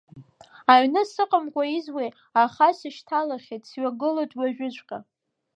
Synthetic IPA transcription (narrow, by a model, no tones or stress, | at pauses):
aɥnɨsɨqʼəmkʷʰʼaizwej | aχasɨʃtʰalaχʲetʼsɥaɡɨlojtʼwaʒᶣɪt͡ʃʷʼqʲʼa